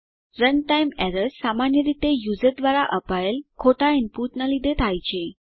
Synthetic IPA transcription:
ɾənʈajmɛɾəssamanjəɾit̪ejud͡zəɾd̪ʋaɾaʔəpajelkʰoʈainpuʈnalid̪ʱet̪ʰajt͡ɕe

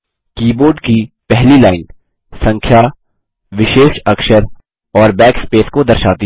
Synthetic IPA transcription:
kiːboːɾɖkipɛɦlilaːɪn | sɐ̃ŋkʰja | ʋɪʃeːʃɐkʃəɾ | ɔːɾbɛːkspeːskod̪ɐɾʃa̰ːt̪i

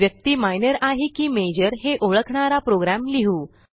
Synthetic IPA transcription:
jək̚t̪iːmajnəɾaɦikiːmed͡ʑəɾɦeʔoɭəkʰɳ̃aɾapɾoɡɾamliɦuː

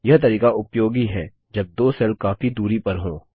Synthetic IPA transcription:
jɐɦt̪̬ɐɾiːkaʔʊpjoːɡiɦɛː | d͡ʒɐb̚d̪oːsɛlkaːfid̪uːɾipɐɾɦõː

